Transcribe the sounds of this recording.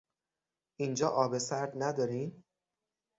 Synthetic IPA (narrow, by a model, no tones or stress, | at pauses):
ʔind͡ʒɒːʔɒːbe̞sæɾd̪næd̪ɒːɾiːn